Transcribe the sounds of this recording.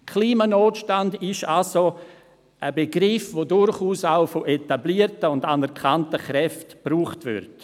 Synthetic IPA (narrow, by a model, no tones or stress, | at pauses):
kʰliːmanoːtʃtandɪʃalso | ʔəbeɡɾɪfvodʊɾχuːsaʊfoʔetabliːəɾtəʊndanɛɾkʰantəχɾɛftb̥ruːχtvɪ̰ɾt